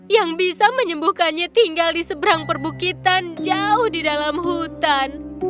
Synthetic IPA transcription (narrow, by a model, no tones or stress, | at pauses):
jaŋbisaməɲəmbuhkanɲat̪iŋɡaldisəbəɾaŋpərbukit̪and͡ʒaʊhdidalamɦut̪an